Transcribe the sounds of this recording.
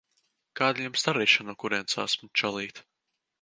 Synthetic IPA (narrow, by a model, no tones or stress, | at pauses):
kaːd̪lʲumst̪aɾiːʃanuɔkuɾiɛnsaːsmut͡ʃɔlˠiːt̪